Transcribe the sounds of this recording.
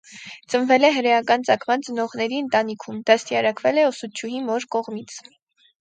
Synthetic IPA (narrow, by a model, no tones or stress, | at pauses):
t͡sənvɛlɛɦəɾɛjɑkɑnt͡sɑkʰmɑnt͡sənɔʁnɛɾiənt̪ɑnikʰumd̪ɑst̪iɑɾɑkvɛlɛɔsut͡ʃ̪ʰjuɦimɔɾkɔʁmit͡sʰ